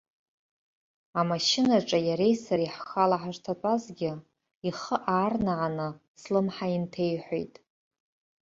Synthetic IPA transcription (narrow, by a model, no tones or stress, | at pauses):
amaʃɪnaʈ͡ʂʼajaɾe̞jsaɾiħxalaħaʒʷtʰatʼazɡʲɪ | iχəʔaːrnaʕanɨ | slɨmħaintʰe̞jħʷojtʼ